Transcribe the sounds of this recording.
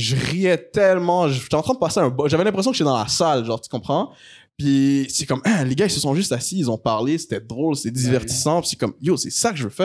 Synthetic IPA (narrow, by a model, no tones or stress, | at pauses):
ʒəʁiɛt̪ɛlmɑ̃ʒəʃt̪yɑ̃t̪χɛ̃d̪əpaseaɛ̃bɔʒavɛlɛ̃pχesjɔ̃kət̪ɛd̪ɑ̃la̰salʒɑ̃ːʁt̪y̥kɔ̃pχɑ̃ | pisɛkɔmʔɛ̃leɡailsəsɔ̃ʒyst̪asiːlzɔ̃paʁlese̥t̪ɛd̪ʁolse̥t̪ɛd̪ivɛʁt̪i̥sɑ̃pi̥sɛ̥kɔmjosɛsakəʒəvøfɛːʁ